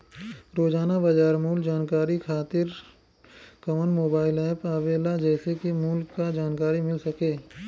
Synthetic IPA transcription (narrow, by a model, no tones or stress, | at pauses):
ɾoːd͡ʒaːnabɐd͡ʒaːɾmuːld͡ʒaːnkaːɾikʰaːt̪ɪɾ | kɐmənmoːbaːɪlɛːpaːʋeːlad͡ʒɛːsekimuːlkːad͡ʒaːnkaːɾimɪlsɐkeː